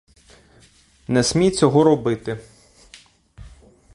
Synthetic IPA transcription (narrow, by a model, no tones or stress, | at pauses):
nɛsʲmʲijt͡sʲɔɦɔɾɔbɪt̪ɪ